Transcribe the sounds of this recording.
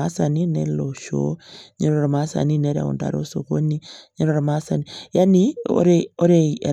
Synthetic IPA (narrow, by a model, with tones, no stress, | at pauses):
a˦sa˨ni˦ne˦lo˨ʃo̰˦ɲe˦ɾɾɔ˨ɾa˨ma˦sa̰˨ni˦ne˦ɾa̰˨ṵnda̰˨ɾo̰˦so˨ko˦ni˦ɲɛ˦ɾo˨ɾa˨ma˦sa˨nija˦nio̰˦ɾeo˦ɾe˦e˨